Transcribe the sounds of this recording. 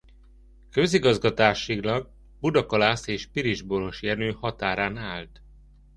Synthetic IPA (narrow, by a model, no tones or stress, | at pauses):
kø̞ziɡɒzɡɒt̪aːʃiɡlɒɡ̚ | bud̪ɒkɒlaːseːʃpiɾiʒbolo̞ʃjɛnøːhɒt̪aːɾaːnaːlt̪